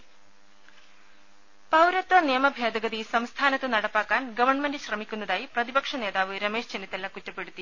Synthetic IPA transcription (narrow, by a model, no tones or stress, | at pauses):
pɐwɾɐt̪ːʋɐnijɐmɐbʱjaːd̪ɐɡɐðisɐmst̪ʰaːnɐt̪ːɨnɐɽɐpːaːkːaːnɡɐʋɐrɳme̞ndɨɕrɐmikʲːun̪ːɐðaːjiprɐðibɐkʂɐne̞ːðaːʋɨɾɐme̞ːʂd͡ʑenit̪ːɐlːɐkutːɐpːeɽut̪ːi